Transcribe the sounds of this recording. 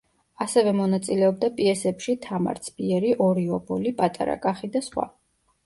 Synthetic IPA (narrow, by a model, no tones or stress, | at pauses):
asɛvɛmɔnat̪sʼilɛɔb̚d̪apʼiɛsɛpʃit̪ʰama̰ɾt̪sʰbiɛɾiʔɔɾiɔbɔlipʼat̪ʼa̰ɾa̰kʼaχid̪asχwa̰